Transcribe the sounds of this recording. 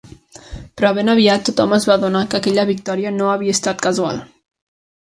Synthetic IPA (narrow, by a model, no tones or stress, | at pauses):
pɾɔβenəβiat̪ːut̪ɔməzβaðunakəkɛʎəβik̚t̪ɔɾiənoəβiəst̪at̪kəzua̰lˠ